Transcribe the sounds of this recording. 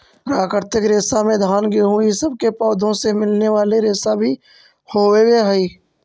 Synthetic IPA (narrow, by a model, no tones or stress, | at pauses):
ɾaːkəɾt̪ɪkɾeːsamẽd̪ʱaːnɡeɦũisəb̚ʱkepɔːd̪ʱõsemɪlneʋaːleɾeːsabʱi | hoːeweɦɛiː